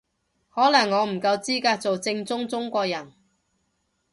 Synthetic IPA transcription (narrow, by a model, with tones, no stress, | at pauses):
hɔː˨˥lɐ˨˩ŋːɔː˨˧m̩˨˩kɐ˧wt͡siː˥kaː˧k̚t͡so˨wt͡sɪ˧ŋt͡sʊ˥ŋt͡sʊ˥ŋkʷɔː˧k̚jɐ˨˩n